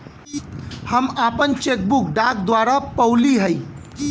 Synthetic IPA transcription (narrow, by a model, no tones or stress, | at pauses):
həmapənt͡ʃek̚bukɖak̚d̪waɾapəwliɦəj